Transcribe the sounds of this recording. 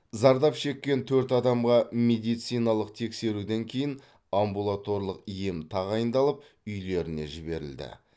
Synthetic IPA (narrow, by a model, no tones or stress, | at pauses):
zɑɾd̪ɑpʃe̞kʲːent̪ʰɵɾt̪ɑd̪ɑmʁɑmed̪ijt̪sijnɑlˠəqt̪ʰe̞kse̞ɾud̪eŋkʲʰe̞jɪn | ambulˠat̪o̞ɾlˠəqijemt̪ʰɑʁɑjənd̪ɑlˠəp̚ | ʏjle̞ɾɪne̞̰ʒɪbe̞ɾɪ̰ld̪ɪ̰